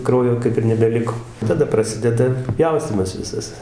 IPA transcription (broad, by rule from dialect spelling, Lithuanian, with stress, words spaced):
ˈkrɐʊjoː ˈkɐɪp ɪr nʲɛbʲɛˈlʲɪkoː tɐˈdɐ prɐˈsʲɪdʲɛdɐ ˈpʲjɛʊsʲtʲiːmɐs ˈʋʲɪsɐs